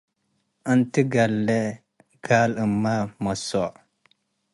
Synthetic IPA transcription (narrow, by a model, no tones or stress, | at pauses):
əntiɡalːe | ɡ̥aləmːamaso